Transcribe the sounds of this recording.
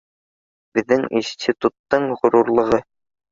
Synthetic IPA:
bɘ̆ðːɘŋḭnsʲt̪ʲit̪ut̪ːɤɴʁŏɾuɾlˠɤ̆ʁɤ

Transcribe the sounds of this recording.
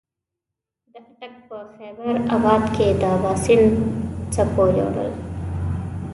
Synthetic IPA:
d̪əʈak̚pəxɛbəɾabɑd̪kʰed̪əwɑsɪlt͡sapolo̰ɽə̰l

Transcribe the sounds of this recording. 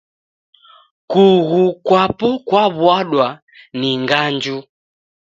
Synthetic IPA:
kuɣukwapɔkwaβwaɗwa | niŋɡand͡ʒu

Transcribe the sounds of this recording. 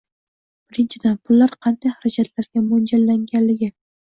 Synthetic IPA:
b̥ɪɾɪnt͡ʃʰɪd̪anpʰʊlːaɾqʰɑnd̪ajhaɾad͡ʒat̪ʰlaɾɡʲamond͡ʒalːaŋɡʲanlɪɡʲɪ

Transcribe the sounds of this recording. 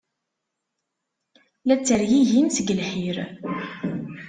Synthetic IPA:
læt͡sːəɾjiʝinsəɡəlħiɾ

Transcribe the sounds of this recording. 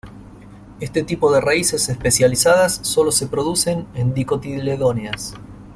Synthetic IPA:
est̪e̞t̪ipo̞ðe̞raise̞sespe̞sjalisaðasːo̞lo̞se̞pɾo̞ðuse̞nend̪iko̞t̪ileðo̞njas

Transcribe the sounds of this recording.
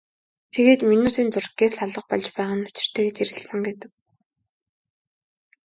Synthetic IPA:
t̪ʰeɣeːt̪minuːt̪ʰiːnt͡sʊrɡeːsaɮə̆q̚pɔɮt͡ɕpæːʁaːnʊ̥t͡ɕɪ̆r̥t̪ʰeːɡet͡ɕiɾɣɘ̆ɬsə̆ŋɡet̪ɘ̆k̚

